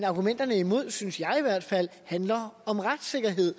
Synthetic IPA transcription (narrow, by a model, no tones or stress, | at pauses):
nɑ̈ɡ̥umen̰d̥ɐnəimo̝ð̞̰ˠsynsjɑ̈ɪiʋæɐ̰d̥fæl̰hænlɐɒ̽mʁad̥se̝ɡ̥ɐɦe̝ð̰ˠ